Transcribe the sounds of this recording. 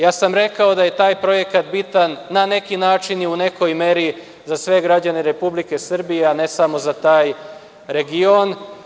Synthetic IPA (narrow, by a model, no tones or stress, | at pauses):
jaːsamɾe̞kao̞d̪aje̞t̪aːjpɾo̞je̞kat̪bit̪anːane̞kinaːt͡ʃiniune̞ko̞jme̞ɾi | zasʋe̞ɡɾad͡ʑane̞ɾe̞publike̞sr̩bijeane̞samo̞zat̪aːj | ɾe̞ɡion